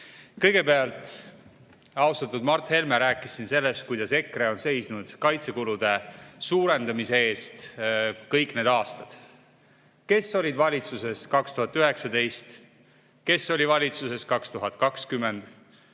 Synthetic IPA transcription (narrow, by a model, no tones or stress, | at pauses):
kɤjɡe̞pe̞ɑlt̪ˑ | ɑwst̪ɑt̪ːˑud̪mɑrt̪he̞lmeɾæːkːˑisinse̞lːe̞st̪̚kujd̪̥ɑse̞kːre̞o̞nse̞jsnud̪̥kɑjt̪se̞kulud̪̥e̞suːɾe̞nd̪ɑmise̞e̞ːst̪kɤjkne̞ːd̪̥ɑːst̪ɑd̪̥ | ke̞sːolʲid̪vɑlʲit̪suse̞skɑkst̪uhɑt̪ːˑyɦe̞ksɑd̪e̞jst̪ | ke̞sːo̞lʲivɑlʲit̪suse̞skɑkst̪uɦɑt̪ˑkɑkskymːe̞nd̪̥